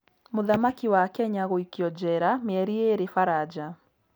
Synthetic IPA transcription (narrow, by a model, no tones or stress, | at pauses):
moðamakiwakɛɲaɣoikiɔd͡ʒɛɾameɛɾieɾefaɾad͡ʒa